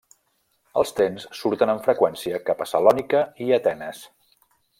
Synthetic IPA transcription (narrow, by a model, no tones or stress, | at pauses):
ə̰lˠst̪ɾensːuɾt̪ənəɱfɾəkwɛnsiəkapəsəlɔnikəiət̪ɛnəs